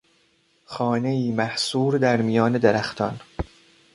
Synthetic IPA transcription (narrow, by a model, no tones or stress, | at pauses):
xɒːne̞iːmæhsuːɾd̪æɾmijɒːned̪eɾæxt̪ʰɒ̰n